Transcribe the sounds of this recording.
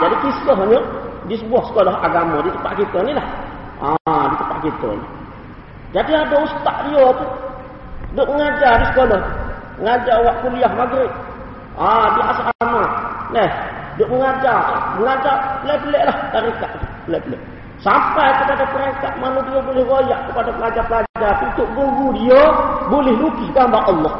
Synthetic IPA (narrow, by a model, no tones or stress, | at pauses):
d͡ʒadikiskəɦaɲədis̬əbuahsə̥kolaɦaɡamadit̪əpːa̰ʔkit̪ɔnilah | adit̪ə̥pːa̰ʔkit̪ɔ̰nḭ | d͡ʒadiadoust̪aʔdijot̪u | dəʔməŋad͡ʒadisə̥kolɔh | ŋad͡ʒawaʔkulijaɦmaɡɾit̪̚ | adiʔasaʔaamanɛhdəʔməŋad͡ʒaaəŋad͡ʒaplepleʔlaht̪aɾikaʔplɛplɛ̰ʔ | sampajkəpadapəɾɛŋkat̪̚manudijobolɛhɡɔjaʔkəpadaplad͡ʒapəlad͡ʒapiunt̪uʔɡuŋɡudijobolɪhlukisɡambaʔɔlːɔh